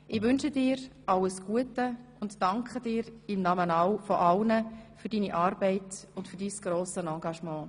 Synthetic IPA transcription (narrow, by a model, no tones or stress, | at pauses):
ʔɪʋʏnʃədɪːɾʔɑlːəsɡ̥uətəʊntːɑŋkχədɪːɾɪmnɑmənawfɔʔɑlnəfyɾdiːniʔɑːɾb̥ɛɪtʊntfyɾdiːsɡ̥ɾoːsənɑːɡɑʃmɑ̃ː